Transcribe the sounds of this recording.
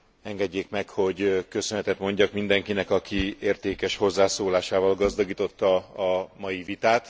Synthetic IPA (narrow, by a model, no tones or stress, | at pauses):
ɛŋɡɛɟːeːkmɛkho̞ɟkø̞sønɛt̪ɛt̪mo̞ɲɟɒkmind̪ɛŋkinɛkɒkʰieːrt̪eːkɛʃho̞zːaːsoːlaːʃaːvɒlɡɒzd̪ɒɡiːt̪o̞t̪ːɒːmɒjivit̪aːt̪